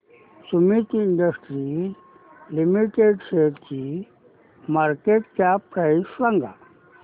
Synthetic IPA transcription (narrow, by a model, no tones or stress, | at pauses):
sumit̪iɳɖəsʈɾi | limiʈeɖseɾki | maɾkeʈkapɾajʃɾaŋɡa̰